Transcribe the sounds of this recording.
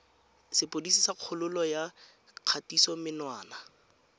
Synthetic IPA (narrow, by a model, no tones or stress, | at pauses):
sɪpʼodisisaq͡χʰʊlʊlɔja | q͡χʰatisɔmɪnwaːna